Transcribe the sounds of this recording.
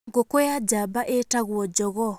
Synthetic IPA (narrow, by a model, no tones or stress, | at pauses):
ɡokojad͡ʑabaʔetaɣwɔd͡ʑɔɣɔ